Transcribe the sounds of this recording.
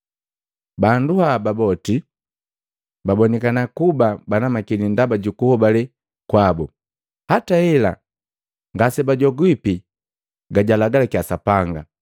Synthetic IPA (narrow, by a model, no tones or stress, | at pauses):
banduhababɔti | babɔnɛkanakubabanamakinindabaɟukuhɔbalɛ | kwabɔ | hataɛla̰ | ŋɡasɛbaɟɔɡwipi | ɡaɟalaɡalakiasapaŋɡa